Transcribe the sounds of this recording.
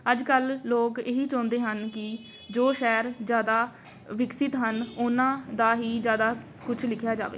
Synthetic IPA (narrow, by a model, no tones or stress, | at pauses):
əd͡ʒkəlːoːkeːɦiːt͡ʃɔ̃ːnd̪eːɦənkɪ | d͡ʒoːʃɛːɾd͡ʒjaːd̪aː | ʋɪksɪt̪ɦənʊnãːd̪aːɦiːd͡ʒjaːd̪aː | kʊt͡ʃʰlɪkʰjaːd͡ʒa̰ːʋḛː